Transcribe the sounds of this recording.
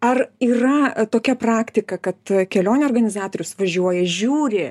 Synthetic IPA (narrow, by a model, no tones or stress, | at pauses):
ɐriːrɐt̪oːkʲɛprɑːkt̪ʲɪkɐkɐt̪kʲɛlʲoːnʲeoːrɡɐnʲɪzɑːt̪oːɾʲʊsʋɐʒʲuɔjɛʒʲuːɾʲɪ